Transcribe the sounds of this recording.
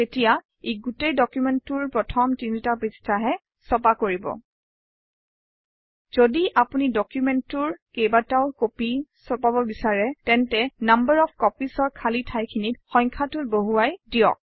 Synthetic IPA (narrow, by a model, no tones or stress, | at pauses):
etija | eɡutejdɔkjumɛntʊɹpɹɔtʰɔmtinitapistʰaɦɛ | sɔpakoɹibɔ̰ | z̥odiʔapunidɔkjumɛntʊɹkejbataʊkopisɔpabɔbisaɹɛtɛntɛnambəɹɔpkɔpisɔɹkʰalitʰajkʰinitxɔ̃jŋkʰatʊtboɦuajdijɔ̰k̚